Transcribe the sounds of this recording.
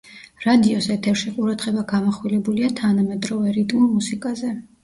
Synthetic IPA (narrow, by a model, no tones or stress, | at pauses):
ɾad̪iɔsɛt̪ʰɛfʃiqʼuɾad̪ʁɛbaɡamɔχwilɛbuliat̪ʰanamɛt̪ʼɾɔvɛɾit̪ʼmulˠmusikʼazɛ